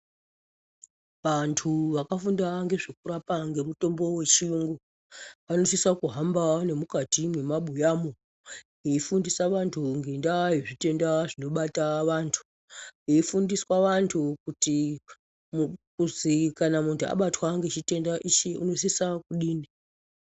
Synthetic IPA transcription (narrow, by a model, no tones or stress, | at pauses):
ʋantʰuʋakafundaŋɡe̞ʐekuɾapaŋɡe̞muto̞mbo̞we̞t͡ʃiuŋɡo | ʋano̞sisakuɦambane̞mukatimwe̞maɓujamo | ɦeifundisaʋantʰuŋɡe̞ndaiʐite̞ndaʐino̞ɓataʋaːntʰu̥ | eifundiswaʋantʰukuti | mukuzikanamuntʰua̰ɓatwaŋɡe̞t͡ʃite̞ndaʔit͡ʃeṵno̞sisakuɗiːni